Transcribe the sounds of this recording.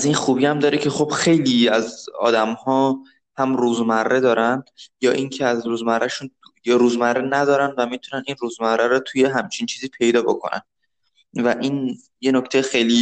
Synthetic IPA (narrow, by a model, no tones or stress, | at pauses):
æziːnxuːbiæmd̪ɒːɾecʰe̞xo̞b̥xejliːæzɒ̰ːd̪æmhɒː | hæmruːzmærːe̞d̪ɒːɾænd̪jɒːʔiŋcʰeæzɾuːzmærːʔæʃunjɒɾuːzmærːenæd̪ɒːɾænd̪væmit̪ʰunæniːnruːzmærːæɾɔːt̪ʰuje̞ɦæmt͡ʃʰint͡ʃʰiːziːpʰe̞jd̪ɒːbo̞̰kʰo̞̰nʔæ̰n | væʔiːn | je̞nocʰt̪ʰejxe̞jliː